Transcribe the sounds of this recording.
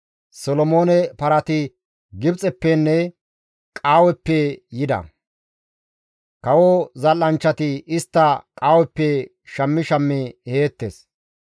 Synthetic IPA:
sɔlɔmo̞ːnɛpɐɾɐt̪ɪ | ɡɪbt͡sʼɛpːɛnːɛ | kʼaːwɛpːɛjɪd̪ɐ̰ | kɐwozɐlːɐnt͡ʃːɐt̪ɪɪst̪ːɐkʼaːwɛpːɛ | ʃɐmːɪʃɐmːɪheːt̪ːeːs

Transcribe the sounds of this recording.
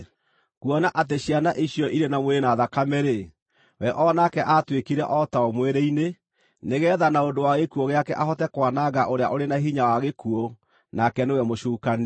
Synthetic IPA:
kuɔnaʔat̬eɕjanaʔiɕjɔʔiɾenamweenaðakamɛɾe | wɛʔɔnakɛʔatwekiɾɛʔɔtaɔmweɾeine | neɣɛːðanaondowaɣekuɔɣeakɛʔaɦɔtɛkwanaɣaʔoɾea̰ʔoɾenaɦiɲawaɣekuo | nakɛnewɛmoʃuːkan

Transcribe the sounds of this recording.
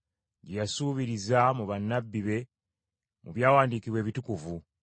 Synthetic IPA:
ɟejasuːβiɾizamuβanːabːiβe̞ | muβjaːwaːndiːkiβwe̞ːβitukuvu

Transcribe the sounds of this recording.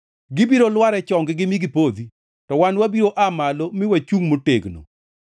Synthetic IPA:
ɡɪbiɾolwaɾɛt͡ʃɔŋɡɪɡɪmiɡipod̪i | tɔwanwabiɾoʔamalomɪwat͡ʃuŋmoteɡno̰

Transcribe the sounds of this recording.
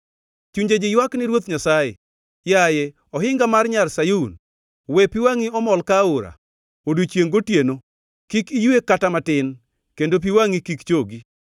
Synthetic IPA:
t͡ʃuɲd͡ʒed͡ʒɪjwaknɪɾwot̪ɲasajḛ | jaje | ɔɦɪŋɡamarɲalsajun | wepiwaŋiɔmɔlkaoɾa̰ | odut͡ʃjeŋɡotjeno | kikijekatamatɪn | kendop̬iwaŋikikt͡ʃoɡi

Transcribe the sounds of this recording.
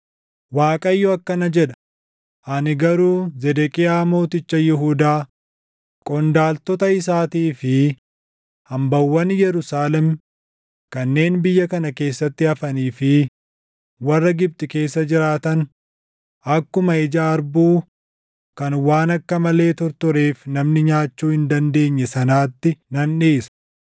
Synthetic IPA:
waːkʼɐjːɔɐkːɐnɐd͡ʒɛᶑɐ̥ | ʔɐnɪɡɐɾuːzɛd̪ɛkʼɪjaːmo̞ːt̪ɪt͡ʃːɐjɪɦud̪aː | kʼɔnd̪aːlt̪ɔt̪ɐɪs̬aːt̪iːfɪ | hɐmbɐwːɐnjɛɾʊsaːlɛm | kɐnːe̞ːnbɪjːɐkɐnɐke̞ːsːɐt̪ːɪɐfɐniːfɪ | wɐrːɐɡɪb̚t̪ɪke̞ːsːɐd͡ʒɪɾaːt̪ɐn | ɐkːʊmɐɪd͡ʒaːɾbuː | kɐnwaːnɐkːɐmɐle̞ːt̪ɔɾt̪ɔɾe̞ːfnɐmnɪɲaːt͡ʃːuːhɪnd̪ɐnd̪e̞ːɲːɛsɐnaːt̪ːɪnɐnᶑeːsɐ̥

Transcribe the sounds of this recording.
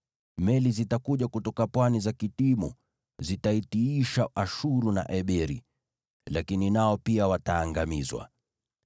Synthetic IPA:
mɛlizitakuʄakutɔkapwanizakitimṵ | zitaitiiʃaʔaʃuɾuna̰ʔɛɓɛɾḭ | lakininaɔpiawataːŋɡamizwa̰

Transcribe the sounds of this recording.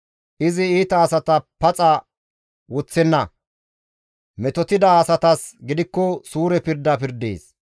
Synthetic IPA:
ʔɪzɪiːt̪ɐːsɐt̪ɐpɐt͡sʼɐ | wʊt͡sːɛnːɐ | mɛt̪ɔt̪ɪd̪ɐːsɐt̪ɐsɡɪd̪ɪkːɔsuːɾɛpɪɾd̪ɐpɪɾd̪ḛːs

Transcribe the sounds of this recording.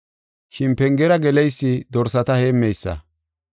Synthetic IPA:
ʃɪnpɛŋɡɛɾɐɡɛlɛjsːɪd̪ɔɾsɐt̪ɐheːmːɛjsːɐ̰

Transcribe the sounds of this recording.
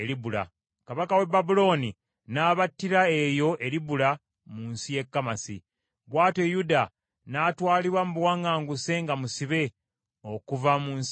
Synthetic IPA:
eɾibula̰ | kaβakawe̞babulo̞ni | naːβatːiɾaejo̞ʔe̞ɾiβula | munsije̞kːamasḭ | βwaːte̞juda | natwaːliɾwamuβwaŋɡaːŋɡuse̞ŋɡamusiβe̞ | o̞kuvamuns

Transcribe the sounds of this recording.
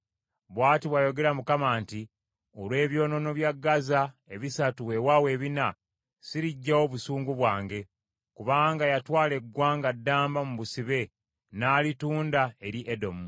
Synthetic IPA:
βwaːtiβwajo̞ɡe̞ɾamukamaːnti | olwe̞ːβjo̞ːno̞no̞βjaɡːazaeβisatuwewawe̞ːβina | siɾiɟːawoβusuːŋɡuβwaːŋɡe̞ | kuβaːŋɡajatwaːle̞ɡwaːŋɡadːaːmbamuβusiβe̞ | naːlituːndae̞ɾiʔedo̞mu

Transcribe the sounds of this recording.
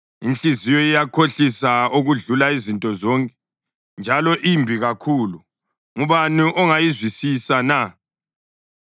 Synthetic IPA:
int͡ɬʼizijɔijakʰoɬisauɣuɮulaizintʼɔzɔŋkʼɛ | nd͡ʒʱalɔʔimbʱiɣakʰulu | ŋuβaniʔɔŋajizwisisana

